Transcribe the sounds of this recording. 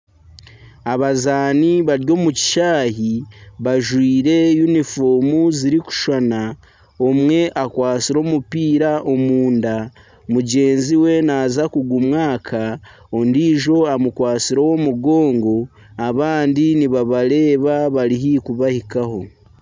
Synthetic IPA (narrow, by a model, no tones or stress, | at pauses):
aβazaːniβaɾjo̞ːmuci̥ʃaːhiβaʒwiːɾe̞junifo̞ːmuziɾiku̥ʃana | o̞mŋwe̞ʔakwaːt͡siɾo̞ːmupiːɾaʔo̞muːnda | muɟe̞ːnziwe̞naːzakuɡumŋaːkʰa | ondiːʒo̞amukwaːt͡siɾowo̞muɡo̞ːŋɡo̞ | aβaːndiniβaβaɾe̞ːβaβaɾiɦikuβahikaho̞